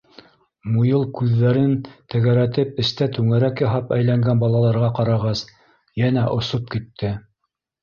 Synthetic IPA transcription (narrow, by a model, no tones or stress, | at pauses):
mujɤlˠkʉðːæɾɘnt̪ɘ̆ɣæɾæt̪ɘpɘ̆st̪æt̪ʉŋæɾækjɑɦɑpæjlæŋɡænbɑlˠɑlˠɑɾʁɑqɑɾɑʁɑs | jænæʔŏsop̚kit̪ʰːɘ